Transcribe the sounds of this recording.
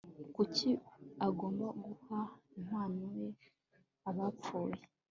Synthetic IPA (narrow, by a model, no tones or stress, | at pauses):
kuciaɡoːmbaɡuham̥aːnuwe | aβap͡fuːle